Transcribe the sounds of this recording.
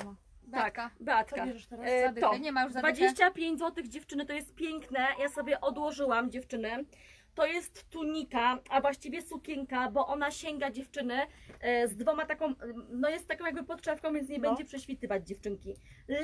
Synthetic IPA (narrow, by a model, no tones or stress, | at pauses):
akbat̪ka | t̪ɔɲɛajuvad͡ʑeɕt͡ɕapʲjeɲd͡ʑzwɔt̪ɘɣd͡ʑɛft͡ʂɘnɘt̪ɔjɛst̪̚pʲjɛŋknɛjasɔbʲjɛʔɔd̪wɔʐɘwamd͡ʑɛft͡ʂɘnɛ | t̪ɔjɛst̪ːuɲikaavwaɕt͡ɕivʲjɛsukʲɛŋkabɔʔɔn̪aɕɛŋɡad͡ʑɛft͡ʂɘnɛzd̪vɔmat̪akɔ̃w̃nɔjɛst̪ːakɔ̃wjaɡbɘpɔt̪ʂɛfkɔ̃w̃vʲjɛnt̪sɲɛbɛɲɲd͡ʑɛpʂɛɕfʲit̪ɘvad͡ʑd͡ʑɛft͡ʂɘŋkʲi